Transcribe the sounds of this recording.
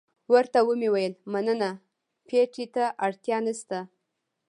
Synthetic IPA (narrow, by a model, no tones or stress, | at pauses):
wəɾt̪awəmiwajəlmanəna | pʰeʈit̪aʔaɽt̪jɑnəst̪a